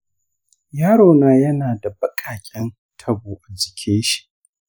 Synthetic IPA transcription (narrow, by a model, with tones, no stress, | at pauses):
jaː˦ɽoː˨naː˦jɐ˦naː˨da˨bɐ˦kʼaː˨kʲʼɛ˦n | tʰɐ˦buː˨ʔa˨d͡ʒɪ˨kʲʰeː˦ʃi̥˨